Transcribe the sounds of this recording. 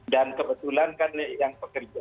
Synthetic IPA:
dankəbət̪ulankanəjaŋpəkərd͡ʒa

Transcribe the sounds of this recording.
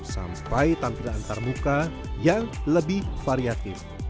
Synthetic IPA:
sa̰mpajt̪ampidaant̪armuka | jaŋləbɪhfaɾiat̪ɪf

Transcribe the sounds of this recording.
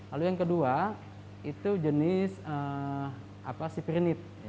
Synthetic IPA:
lalujaŋkədua | it̪ud͡ʒənɪsə | ʔapasipiɾinɪt̪̚

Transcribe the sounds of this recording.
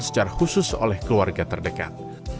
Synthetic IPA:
sə̥t͡ʃaɾahusʊso̰lɛhkəluarɡat̪ərdəka̰t̪̚

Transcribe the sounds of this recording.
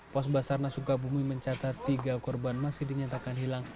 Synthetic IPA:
pɔsbasarnasukabumiməɲt͡ʃat̪at̪ːiɡakɔrbanmasɪhdiɲat̪akanɦilaŋ

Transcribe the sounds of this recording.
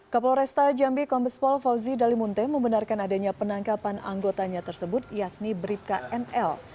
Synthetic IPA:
kaplɾɛst̪ad͡ʒambikɔmbəspɔlfawzidalimunt̪ɛməmbənarkanadaɲapənaŋkapana̰ŋɡot̪aɲat̪ərsəbʊt̪̚jak̚nibɾip̚kaʔɛnɛl

